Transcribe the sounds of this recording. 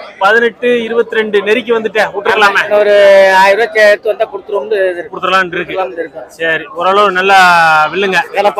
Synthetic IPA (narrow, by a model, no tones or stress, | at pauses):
pɐðɪnɛʈːɯɪɾɯbɐt̪ːɯɾɛɳɖɯnɛɾɪk̬ʲːɯʋɐnd̪ɯʈːeːuːʈːɪɾɯkːɐlaːmeɐɔɾɯaːjɪɾɐːt͡ʃeːɾt̪ɯʋɐnd̪aːpɔɽɯt̪ːɯɾomɖɯɪɾɯpɔɽɯt̪ːɯɾɐlãːmnɖɪɾɯkːɯaɳɪɾɯkːɯsɐɾiɔɾaːɭɐʋnɐlːaʋɪɭːɯŋɡɐɐnɐpː